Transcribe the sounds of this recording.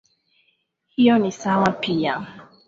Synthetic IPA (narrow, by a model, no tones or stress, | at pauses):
hiɔnisawãnpʰijã